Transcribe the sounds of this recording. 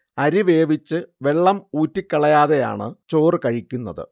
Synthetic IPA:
ɐɾiʋe̞ːʋit͡ɕːɨʋe̞ɭːɐmuːtːikʲːɐɭɐjaːðeja̰ːɳɨt͡ɕo̞ːrɨkɐɻikʲːunːɐðɨ̰

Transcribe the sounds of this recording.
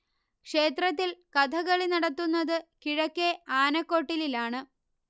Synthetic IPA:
kʂe̞ːt̪rɐt̪̬ːilkɐd̪ʰʱɐɣɐɭinɐɽɐt̪ːunːɐðɨkiɻɐkːeaːnɐkːo̞ːʈːililaːɳɨ

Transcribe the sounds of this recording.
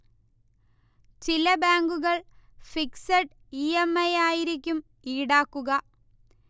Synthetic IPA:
t͡ɕilɐbaːŋɡuɣɐɭfiksɐʈ | iːemːɐjaːjiɾikʲːum | iːɽaːkːuɣɐ

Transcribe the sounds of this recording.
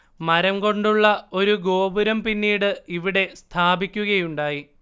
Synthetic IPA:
mɐɾɐmko̞ɳɖuɭːɐo̞ɾuɡo̞ːbuɾɐmpinːiːɽɨiʋiɽe̞st̪ʰaːbikʲːuɣɐjuɳɖaːji

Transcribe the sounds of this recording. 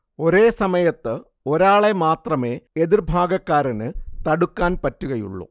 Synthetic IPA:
o̞ɾeːsɐmɐjɐt̪ːɨ | o̞ɾaːɭe̞maːt̪rɐme̞ːeðirbʱaːɡɐkːaːɾɐnɨt̪ɐɽukːaːnpɐtːuɣɐjṵɭːo̰

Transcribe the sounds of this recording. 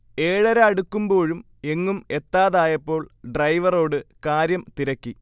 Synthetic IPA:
e̞ːɭɐɾɐɐɽukːumbo̞ːɻum | e̞ŋːume̞t̪ːaːðaːjɐpːo̞ːɭɖrɐjʋɐro̞ːɽɨkaːɾjɐmt̪iɾɐkːi

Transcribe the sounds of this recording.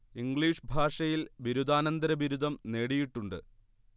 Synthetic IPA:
iŋɡɭiːʂbʱaːʂɐjilʋiɾud̪aːnɐnd̪ɐɾɐbiɾud̪ʱɐmne̞ːɽijiʈːuɳɖɨ̰

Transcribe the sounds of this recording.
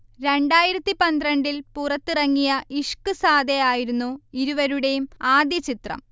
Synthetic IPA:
ɾe̞ɳɖaːjiɾɐt̪ːipɐnd̪ɾɐɳɖilpurɐt̪ːirɐŋːijɐʔiʂkɨsaːd̪ejaːjiɾunːuiɾuʋɐɾuɽe̞jumaːd̪jɐt͡ɕit̪rɐ̰m

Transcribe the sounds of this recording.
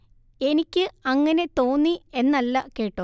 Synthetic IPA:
e̞nikʲːɨɐŋːɐne̞t̪o̞ːnːie̞nːɐlːɐke̞ːʈːo

